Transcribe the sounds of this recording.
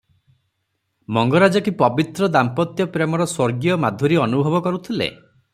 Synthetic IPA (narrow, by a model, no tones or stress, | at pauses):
mɔŋɡɔɾad͡ʒɔkipɔbit̪ɾɔd̪ampɔt̪jɔpɾemɔɾɔswoɾɡijɔmad̪ʱuɾiɔnubʱɔbɔkɔɾut̪ʰilḛ